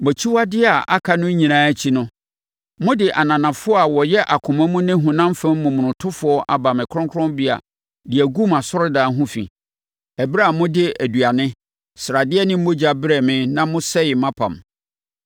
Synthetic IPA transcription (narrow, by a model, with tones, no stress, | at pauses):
mɛ˨t͡ɕʰi˦wa˦dɪ˦a˨ʔa˦kʰa˦nʊ̃˦ɲĩ˨nãː˦æ˦t͡ɕʰi˦nʊ̃˦ | mʊ̃˦dɪ˨ʔa˨nã˨nã˨fʊ˦ɔ˦a˨wɔ˨jɛ˦ʔa˨kʰʊ̃˨mɛ̃˦mʊ̃˦nɪ̃˦ɦũ˨nã˦m˦fɛ̃˦m˦mʊ̃˨mʊ̃˨nʊ̃˨tʰʊ˦fʊ˨ɔ˦ʔa̰˨ba˨mɪ̃˨kʰʊ˦ɔ̃˦kʰʊ˦ɔ̃˦mbi˦a̰˨ | dɪ˨æ˨ɡu˦ma˨sɔ˦ɾʊ˦daː˨˦ɦʊ̃˦fḭ˨ | ɛ˨ba˦˨mʊ̃˦dɪ˦æ˨du˨a˨nɪ̃˦ | sɾa˨dɪ˦ɛ˦nɪ̃˦m̩˦mʊ̃˦d͡ʑa˨bɾɛ˨mɪ̃˦nã˦mʊ̃˦sɛ˦jɪ˨mã˦pʰã̰˨m